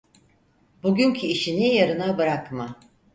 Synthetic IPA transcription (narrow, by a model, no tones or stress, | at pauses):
buɟʲyncʰiːʃinijaɾɯnabɯɾakma